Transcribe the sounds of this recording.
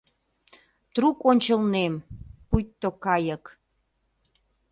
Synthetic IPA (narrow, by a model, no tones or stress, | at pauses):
t̪rukonʲt͡ɕə̆lnempujt̪ːokɑjək